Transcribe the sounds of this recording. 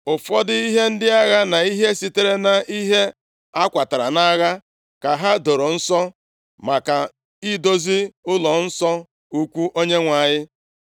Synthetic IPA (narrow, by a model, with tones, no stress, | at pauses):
ʊ˨fɔ˦dɪ˦i˦ɦe˦n̩˦dɪ˦a˦ɣa˦na˨i˦ɦe˦si˨te˦ɾe˦na˨i˦ɦe˦ | a˦kʷa˨ta˨ɾa̰˨na˦ɣa˦ | ka˨ɦa˦do˨ɾo˨n̩˦sɔ˦ | ma˨ka˨ | i˦do˦zi˦ʊ˦lɔ˨n̩˦sɔ˦ | u˦kʷu˦ʔo˦ɲe˦ŋʷa˨ɲɪ˦